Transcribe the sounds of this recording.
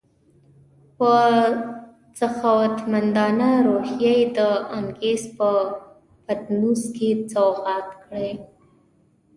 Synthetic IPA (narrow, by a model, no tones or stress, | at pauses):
pə | t͡saxawat̪mand̪ɑnaɾohjajed̪əaŋɡespə | pat̪nuzket͡saɣɑt̪kɽəj